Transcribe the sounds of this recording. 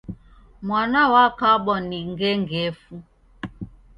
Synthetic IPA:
mwanawakaɓɔniŋɡɛŋɡɛfu

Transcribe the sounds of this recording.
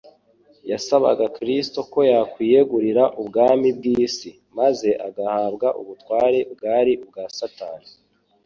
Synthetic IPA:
jasaβa̰ɡakɾisto̞ko̞jakwiːje̞ɡuɾiɾaʔubɡaːmib̚ɡiːsi | maze̞ʔa̰ɡahaːbɡaʔuβutwaːɾe̞b̚ɡaːɾiub̚ɡasataːni

